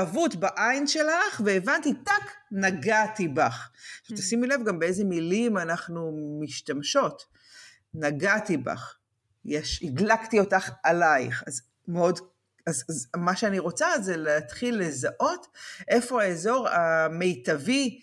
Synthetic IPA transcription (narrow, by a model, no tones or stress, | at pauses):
avutbaʔajnʃe̞laχveːvantitaknaɡatibaχʃavt̪asimile̞vɡambeejze̞milimanaχnumiʃtamʃo̞t | naɡatiba̰χ | jeʃiɡlaktio̞taχalajχaz | meo̞d | azzmaʃeaniʁo̞t͡sazeleat̪χilːe̞zaʔo̞tʔe̞fo̞aezo̞ʁame̞jtavi